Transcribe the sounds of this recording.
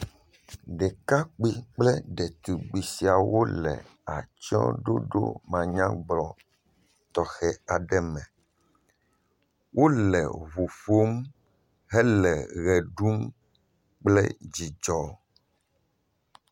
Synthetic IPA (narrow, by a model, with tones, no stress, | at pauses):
ɖɛ˨ka˦k͡pi˦k͡plɛ˦ɖɛ˨t̪u˨ɡ͡bi˨si˨a˨wo˦lɛ̰˨ | a˨t͡ʃɔ̰˦ɖo̰˦ɖo̰˦mã˨ɲã˦ɡ͡blɔ˨ | t̪ɔ˨xɛ˨a˨ɖɛ˦mɛ̃˨ | wʔo˦lɛ̰˨βu˨fo˦m | ɦɛ˦lɛ˨ɣɛ˨ɖu˦m | k͡plɛ̰˦d͡ʑi˨d͡ʒɔ˦